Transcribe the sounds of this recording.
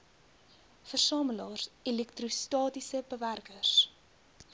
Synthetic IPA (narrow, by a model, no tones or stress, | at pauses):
fərsɑːməlɑːrsilɛk̚trustɑːtisəbəværkərs